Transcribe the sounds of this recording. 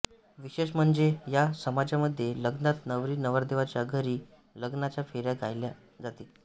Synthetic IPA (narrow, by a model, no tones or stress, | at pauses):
ʋiɕeɕm̤əɳd͡zejasəmad͡zaməd̪ʱːjeləɡnat̪nəʋɾiːnəʋəɾd̪eʋat͡ɕjaɡʱəɾiː | ləɡnat͡ɕjafeɾjaɡʱajlja | d͡zat̪i